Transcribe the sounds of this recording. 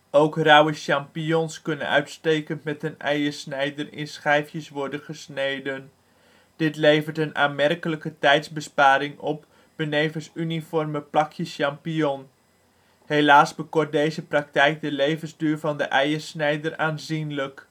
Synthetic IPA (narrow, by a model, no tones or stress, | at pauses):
owkrawəʃɑmpijɔnskɵnə̰nœ̰ɥtstejkəntmɛtənɛ̰jərsnɛjdərɪ̰nsχɛjfjəsʋɔrdənχəsnejdən | d̥ɪtlejvərtəna̰ːnmɛrkələkətɛjtzbəspaːɾɪŋɔp̚ | b̥əneːvənsynifɔrməplɑkʰjəsʃɑmpijɔn | helaːsbəkɔrt̚dejzəprɑk̚tɛjk̚dəlejvənzdyːrɹvɑndəʔɛjərsnɛjdəraːnzinlək